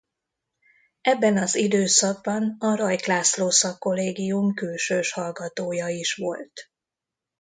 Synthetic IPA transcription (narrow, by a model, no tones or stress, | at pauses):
ɛbːɛnɒzid̪øːsɒɡ̚bɒnɒɾɒjklaːsloːsɒkːo̞leːɡijumkylʃøːʃhɒlɡɒt̪oːjɒiʃʋo̞lt̪